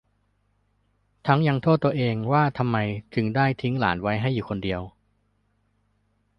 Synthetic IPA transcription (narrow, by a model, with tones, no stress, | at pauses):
t̪ʰa˦˥ŋja˧ŋt̪ʰoː˥˩t̪ːu˧ɐʔeː˧ŋwaː˥˩t̪ʰa˧mːa˧jt͡ɕɯ˧ŋdaː˥˩jt̪ʰi˦˥ŋla̰ː˩˦nwa˦˥jɦa˥˩jːuː˨˩kʰo˧ndi˧əw